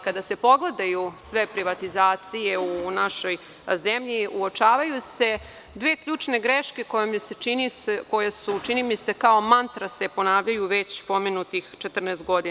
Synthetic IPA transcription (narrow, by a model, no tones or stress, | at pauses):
kad̪ase̞po̞ɡled̪ajusʋe̞pɾiʋat̪izaːt̪sije̞unaʃo̞j | zemʎiʔuo̞t͡ʃaːʋajuse̞ | d̪ʋeːkʎuːt͡ʃne̞ɡɾeʃkekojomseinisko̞jesut͡ʃinimisekao̞mant̪ɾase̞po̞naːʋʎajuʋe̞t͡ɕpo̞menut̪ixt͡ʃet̪r̩nest̪̚ɡo̞d̪i